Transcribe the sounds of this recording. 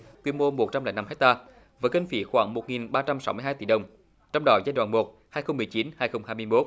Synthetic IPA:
t̪wi˧ənmo˧mo˨˩t̚t͡ɕa˧mlɛ̰˧˨˦na˧mhɛ˦˥k̚t̪aː˧ | vaː˨˦kə˧ŋfḭ˨˦xwaː˧˩˦ŋmo˨˩ŋi˨˩nɓaː˧t͡ɕa˧msa˨˦wmɨ˧əjhaː˧jt̪i˧˩˦ɗə˨˩wŋ͡m | t͡ɕɔ˧wŋ͡mɗɔ˨˦zaː˧jɗw̰ːnmo˨˩t̚ | haː˧jxə˧wŋ͡mmɨ˨˩əjt͡ɕi˨˦nhaː˧jxə˧wŋ͡mhaː˧jm˧əjmo˦˥t̚

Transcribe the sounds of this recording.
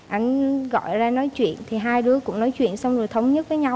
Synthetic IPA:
ʔa˧jŋ̟ɣɔ̰˧˨jzaː˧nɔ˨˦jt͡ɕwḭ˧˨ənt̪ʰi˨˩ɦaː˧jɗɨ˨˦əkʊ̰˧˥ŋ͡mnɔ˨˦jt͡ɕwḭ˧˨ənsa˧wŋ͡mzo˨˩jt̪ʰə˨˦wŋ͡mɲə˦˥t̚və˨˦jɲa˧w

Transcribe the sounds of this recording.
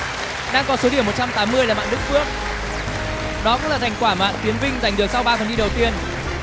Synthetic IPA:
ɗaː˧ŋkɔ˨˦so˨˦ɗi˧˩əmo˨˩t̚t͡ɕa˧mt̪aː˨˦mːɨ˧əjaː˨˩ma̰ː˧˨ɗɨ˦˥k̚fɨ˦˥ək̚ | ɗɔ˨˦kʊ̰˧˥ŋ͡mlaː˨˩t̪ʰjŋ̟kwaː˧˩ma̰ː˧˨nt̪i˨˦ənvï˧ŋ̟za˨˩jŋ̟ɗɨ˨˩əksa˧wɓaː˧fə˨˩nɗi˧ɗə˨˩wt̪i˧ən

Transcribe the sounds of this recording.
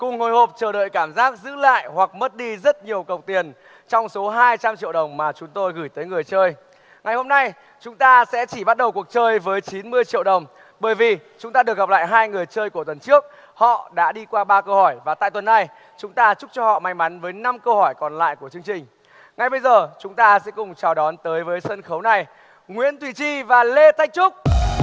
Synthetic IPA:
kʊ˨˩ŋŋ͡mho˨˩jho˨˩p̚t͡ɕəː˨˩ɗə̰ː˧˨jkaː˧˩mzaː˦˥k̚zɨ̰˧˥la̰ː˧˨jhwa˨˩k̚mə˦˥t̚ɗi˧zə˦˥t̚ɲi˨˩əwkə˨˩wk͡p̚t̪i˨˩ən | t͡ɕɔ˧wŋ͡mso˨˦ɦaː˧jt͡ɕa˧mt͡ɕḭ˧əwɗə˨˩wŋ͡mmaː˨˩t͡ɕʊ˨˦ŋ͡mt̪o˧jɣɨ˧˩jt̪əː˨˦jŋɨ˨˩əjt͡ɕəː˧j | ŋa˨˩jho˧mna˧j | t͡ɕʊ˨˦ŋ͡mt̪aː˧sɛ̰˧˥t͡ɕi˧˩ɓa˦˥t̚ɗə˨˩wku˨˩ək̚t͡ɕəː˧jvəː˨˦jt͡ɕi˨˦nmɨ˧əjt͡ɕḭ˧əwɗə˨˩wŋ͡m | ɓəː˧˩jvi˨˩t͡ɕʊ˨˦ŋ͡mt̪aː˧ɗɨ˨˩k̚ɣa˨p̚la̰ː˧˨jɦaː˧jŋɨ˨˩əjt͡ɕəː˧jku˧˩ət̪wə˨˩nt͡ɕɨ˦˥ək̚ | hɔ̰˧˨ɗa̰ː˧˥ɗi˧kwaː˧ɓaː˧kə˧whɔ˧˩jvaː˨˩t̪a̰ː˧˨jt̪wə˨˩nːa˧j | t͡ɕʊ˨˦ŋ͡mt̪aː˧t͡ɕʊ˦˥k͡p̚t͡ɕɔ˧hɔ̰˧˨ma̰˧˥jŋ̟ma˨˦nvəː˨˦jna˧mkə˧whɔ˧˩jkɔ˨˩nla̰ː˧˨jku˧˩ət͡ɕɨ˧əŋt͡ɕï˨˩ŋ̟ | ŋa˨˩jɓə˧jzəː˨˩t͡ɕʊ˨˦ŋ͡mt̪aː˧sɛ̰˧˥kʊ˨˩ŋ͡mt͡ɕaː˨˩wɗɔ˨˦nt̪əː˨˦jvəː˨˦jsə˧nxə˨˦wna˨˩j | ŋwḭ˧˥ənt̪wi˧˩t͡ɕi˧vaː˨˩le˧t̪ʰa˦˥jk̚t͡ɕʊ˦˥k͡p̚

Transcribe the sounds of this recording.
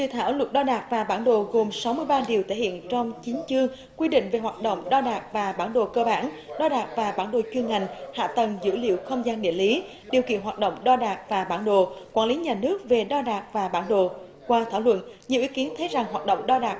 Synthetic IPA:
t̪ɨ̰˧˨t̪ʰaː˧˩wlwə˨˩t̚ɗɔ˧ɗaː˨˩k̚vaː˨˩ɓaː˧˩nɗo̰˧˨ɣo˨˩msa˨˦wmɨ˧əjɓaː˧ɗi˨˩əwt̪ʰe˧˩hḭ˧˨ənt͡ɕɔ˧wŋ͡mt͡ɕi˨˦nt͡ɕɨ˧əŋ | kwi˧ɗḭ̈˧˨ŋ̟ve˨˩ɦwaː˨˩t̚ɗo̰˧˨wŋ͡mɗɔ˧ɗaː˨˩k̚vaː˨˩ɓaː˧˩nɗo̰˧˨˩kəː˧ɓaː˧˩n | ɗɔ˧ɗaː˨˩k̚vaː˨˩ɓaː˧˩nɗo̰˧˨t͡ɕwi˧ənŋa˨˩jŋ̟ha̰ː˧˨t̪ə˨˩nzɨ̰˧˥lḭ˧˨wxə˧wŋ͡mzaː˧nɗḭ˧˨əli˨˦ | ɗi˨˩əwkḭ˧˨ənhwaː˨˩t̚ɗo̰˧˨wŋ͡mɗɔ˧ɗaː˨˩k̚vaː˨˩ɓaː˧˩nɗo̰˧˨kwaː˧˩nli˨˦ɲaː˨˩nɨ˦˥ək̚ve˨˩ɗɔ˧ɗaː˨˩k̚vaː˨˩ɓaː˧˩nɗo̰˧˨ | kwaː˧t̪ʰaː˧˩wlwə̰˧˨nɲɨ̰˧˨wʔi˨˦ki˨˦nt̪ʰə˨˦jza˨˩ŋhɦaː˨˩t̚ɗə̰˧˨wŋ͡mɗɔ˧ɗaː˨˩k̚

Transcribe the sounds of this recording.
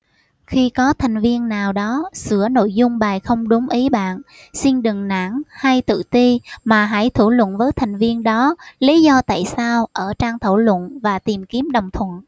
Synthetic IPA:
xi˧kɔ˨˦t̪ʰa˨˩ŋ̟vi˧ənːaː˨˩wɗɔ˨˦sɨ̰˧˩əno̰˧˨jzʊ˧ŋ͡mɓaː˨˩jxə˧wŋ͡mɗʊ˨˦ŋ͡mʔi˨˦ɓa̰ː˧˨n | si˧nɗɨ˨˩ŋna̰˧˥nha˧jt̪ɨ̰˧˨t̪i˧maː˨˩ɦa̰˧˩jt̪ʰu˧˩lwə̰˧˨nvəː˨˦jt̪ʰa˨˩ŋ̟vi˧ənɗɔ˨˦li˨˦zɔ˧t̪a̰ː˧˨jsaː˧wʔəː˧˩t͡ɕaː˧ŋt̪ʰə˧˩wlwə̰˧˨nvaː˨˩t̪i˨˩mki˨˦əmɗə˨˩wŋ͡mt̪ʰwə̰˧˨n

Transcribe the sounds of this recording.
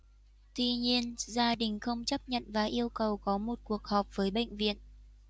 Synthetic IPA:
t̪wi˧ɲi˧ənzaː˧ɗï˨˩ŋ̟xə˧wŋ͡mt͡ɕə˦˥p̚ɲə̰˧˨nvaː˨˩ʔi˧əwkə˨˩wkɔ˨˦mo˨˩t̚ku˨˩ək̚hɔ˨˩p̚vəː˨˦jɓḛ˧˨jŋ̟vḭ˧˨ən

